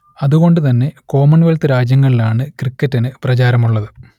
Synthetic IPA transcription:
ɐðuɣo̞ɳɖɨt̪̬ɐnːe̞ko̞ːmɐɳʋelt̪ɨɾaːd͡ʑjɐŋːɐɭilaːɳɨkrikːɐtːinɨprɐt͡ɕaːɾɐmuɭːɐðɨ

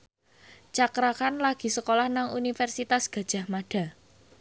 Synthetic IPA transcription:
t͡ʃakɾakanlaɡ̥i̤səkolahnaŋunifɛrsit̪asɡ̥a̤d̥ʒ̥ä̤hmaɖ̥a̤

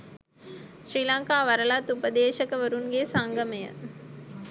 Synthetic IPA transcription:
ʃɾiːlaŋkaːʋɐɾɐlat̪ːupəd̪eːʃɐkəʋɐɾunɡesaŋɡɐməjə̰

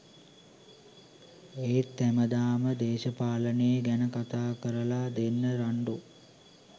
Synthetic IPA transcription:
eːt̪ːæməd̪aːməd̪eːʃəpaːlənejəɡænəkat̪aːkəɾəlad̪enːəɾaɳɖu

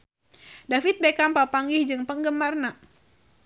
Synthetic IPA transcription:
dafit̪̚bekampapaŋɡihd͡ʒɨŋpəŋɡəmarna

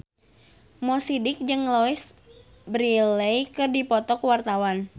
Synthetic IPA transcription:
mɔsidɪk̚d͡ʒɨŋlɔɪs | bɾilejkɨrdipɔt̪ɔkuwart̪awan

